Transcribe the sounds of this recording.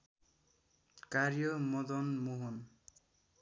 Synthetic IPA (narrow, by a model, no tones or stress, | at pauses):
kaɾjɔmɔd̪ɔnmuɦun